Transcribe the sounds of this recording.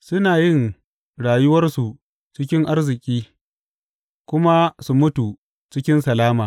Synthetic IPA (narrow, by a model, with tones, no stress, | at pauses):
sʊ˦naː˨jɪ˦˨ŋ | ɽaː˨jʊ˦wɐ˦rsu˨ | t͡ʃɪ˦kʲɪ˦ŋʔa˦rzɪ˨kʲʼiː˦ | kʷʊ˦ma˦su˨mʊ˦tu˨ | t͡ʃɪ˦kʲɪ˦nsɐ˨laː˦maː˨